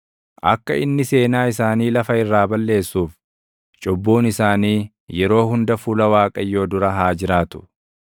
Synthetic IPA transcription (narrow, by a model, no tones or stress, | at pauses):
ʔɐ̰kːɐ̰ɪnːɪse̞ːnaːɪsaːniːlɐfɐɪrːaːbɐlːe̞ːsːuːf | t͡ʃʼɔbːuːnɪsaːniː | jɛɾo̞ːhʊnd̪ɐfuːlɐwaːkʼɐjːo̞ːd̪ʊɾɐɦaːd͡ʒɪɾaːt̪ʊ̥